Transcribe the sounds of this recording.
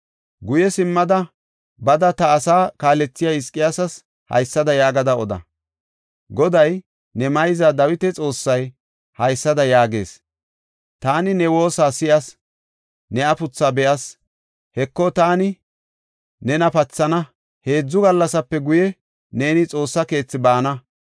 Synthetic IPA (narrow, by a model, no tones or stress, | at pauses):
ɡʊjɛsɪmːɐd̪ɐ | bɐd̪ɐt̪ɐːsaːkaːlɛt͡sːɪjaɪskʼːɪjasɐs | hɐ̰jsːɐd̪ɐjaːɡɐd̪ɐɔd̪ɐ̰ | ɡɔd̪ɐj | nɛmɐjzad̪ɐwɪt̪ɛt͡sʼo̞ːsːɐj | hɐjsːɐd̪ɐjaːɡe̞̰ːs | t̪aːnɪnɛwo̞ːsaːsɪʔɐs | nɛɐpʊt͡sːaːbɛʔɐs | hɛkːɔt̪aːnɪ | nɛnɐpɐt͡sːɐnɐ | he̞ːd͡zːʊɡɐlːɐsɐpːɛɡʊjɛ | ne̞ːnɪt͡sʼo̞ːsːɐke̞ːt͡sːɪbaːnɐ